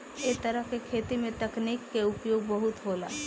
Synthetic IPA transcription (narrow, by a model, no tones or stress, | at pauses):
et̪ɐɾəɦkekʰeːt̪imẽt̪ɐkniːkːeʊpjoːɡbɐɦʊt̪ɦoːlaː